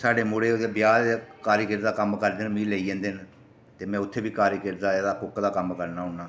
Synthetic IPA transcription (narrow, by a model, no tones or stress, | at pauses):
saːɖeːmoːɽeːebjaːkaːɾiːkɪɾd̪aːkəmkəɾd̪enmĩːleiːẽːnd̪en | t̪eːmɛ̃ːʊt̪ʰːeːbiːkaːɾikɪɾd̪aːed̪aːkʊkd̪aːkəmkəɾnaːɦʊɳnaː